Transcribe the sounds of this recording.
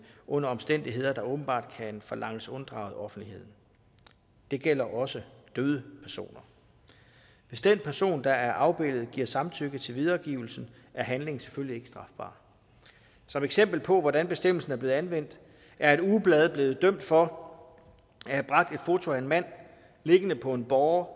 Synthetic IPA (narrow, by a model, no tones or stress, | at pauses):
ʔɔ̽nɐɒ̽msd̥en̰d̥iɦe̝ð̞̰ˠɐd̥ɑ̈ɔ̽ːb̥n̩b̥ɑ̰̈ːd̥kʰænfɒlʔɑ̈ŋ̰əsɔ̽nd̥ʁɑ̈ʊð̞̩ˠɒ̽fn̩d̥ihe̝ð̞̰ˠn̩ | d̥e̝ɡ̥el̰ɐʔɒ̽səd̥øːð̞ˠəpʰæɐso̝̰ːnɐ | ʋe̝sd̥enpʰæɐso̝̰ːnd̥ɑ̈æɐʔɑ̈ʊb̥e̝l̰ð̞̩ˠɡ̥iɐ̰sɑ̈mt͡sʰøɡ̥ət͡sʰe̝lʋið̞ˠɐɡ̥ḭʊl̩sn̩ | ʔæɐɦænle̝ŋ̩se̥følie̝ɡ̥sd̥ʁɑ̈fb̥ɑ̰̈ː | sɒ̽meɡ̥sem̰b̥l̩pʰɒ̽ʋɒɾænb̥e̝sd̥em̰l̩sn̩æɐble̝ːænʋen̰d̥ | æɐe̝dub̥lɛð̞̩ˠb̥le̝ːð̩ˠd̥œm̰d̥fɒ̽ | æhæb̥ʁɑ̈ɡ̥̚d̥e̝d̥fo̝t͡sʰo̝æe̝nmæn̰ | le̝ɡ̥ənəpʰɒ̽e̝nb̥ɒʊɐ